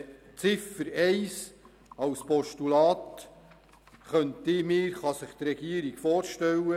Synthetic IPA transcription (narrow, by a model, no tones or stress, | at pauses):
t͡sɪfəɾɛɪs | ɑwspɔʃtulɑːt̪ | χœntɪmɪːɾχɑsəχt̪rɛɡ̥iəɾiɡ̥fɔːɾʃtɛlːə